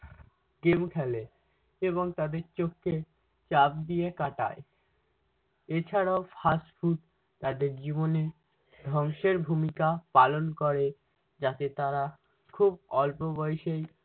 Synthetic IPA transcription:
ɡemkʰɛle | eβoŋt̪ad̪eɾt͡ɕokːe | t͡ɕap̚d̪iekaʈa̰e | et͡ɕʰaɾaofʰasfʰuʈ̪ | t̪ad̪eɾd͡ʑibone | d̪ʱɔŋʃeɾbʱumikapalonkoɾe | d͡ʑat̪et̪aɾa | kʰubɔlpobɔjeʃej

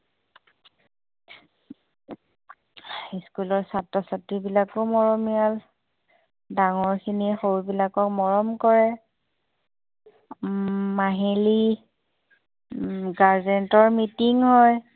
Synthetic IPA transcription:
skulɔɹsatːɔsatːibilakomɔɹɔmial | daŋɔɹkʰinixowbilakɔkmɔɹɔmkɔɹɛ | maɦili | ɡaɹzɛntɔɹmitiŋɦɔj

